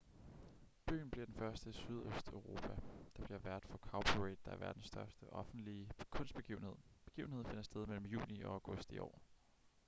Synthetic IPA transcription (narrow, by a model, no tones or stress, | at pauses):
b̥y̰ːn̩b̥liɐd̥enfɶɐsd̥əsyð̞ˠøsd̥øʊʁo̝pʰæd̥ɑ̈b̥liɐʋæɐd̥fɒ̽kʰɑ̈ʊbʰuʁed̥̚ːɑ̈æɐʋæɐd̥n̩sːd̥ɶɐsd̥əʔɒ̽fn̩d̥liəkʰɔ̽nsd̥b̥e̝ɡiːʊn̩he̝ð̰ˠb̥e̝ɡ̥iːʊn̩hḛfe̝nɐsd̥eðˠmel̰m̩jṵːniɒ̽aʊɡ̥ɔ̽sd̥iʔɒ̰ː